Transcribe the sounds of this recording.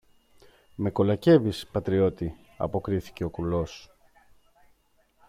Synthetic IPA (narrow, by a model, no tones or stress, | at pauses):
me̞ko̞lɐce̞vispɐt̪ɾio̞t̪i | ɐ̰po̞kɾiθi̥ce̞o̞kɾulo̞s